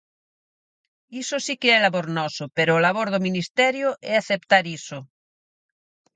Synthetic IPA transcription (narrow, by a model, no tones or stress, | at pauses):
isosikeɛlaβoɾnɔsopeɾoːlaβ̞oɾðomĩnist̪ɛɾjoʔɛaθep̚t̪aɾiso